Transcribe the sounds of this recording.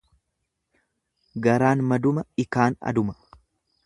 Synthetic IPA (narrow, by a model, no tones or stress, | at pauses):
ɡɐɾaːnmɐd̪ʊmɐɪkaːnɐ̰d̪ʊmɐ̥